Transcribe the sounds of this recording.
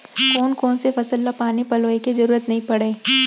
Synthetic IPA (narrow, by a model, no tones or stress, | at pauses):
koːnkoːnsefɐsəlːapaːnipɐloːekizɐɾuːɾət̪nɐɦĩpɐɽeː